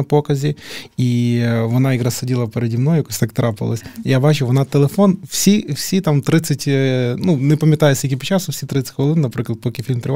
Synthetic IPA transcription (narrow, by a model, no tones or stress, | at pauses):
ɐpokɐzʲɪivɐnaɪɡɾasɐdʲilˠɐpɪɾʲɪdʲimnojʊkosʲt̪ak̚t̪ɾaplˠɐsʲjabat͡ʃʊʋɐnat̪ɛlʲˠɪfonfsʲifsʲit̪amt̪ɾɨt̪sɨtʲnunɪpɐmʲɪt̪ajɪt̪sʲikʲipɐt͡ɕasʊfsʲit̪ɾɨt̪sɨ̥tʲkɐlˠɨnnɐpɾɨklˠɐt̪̚pokʲɪfʲilʲmp̪ɾʲɪ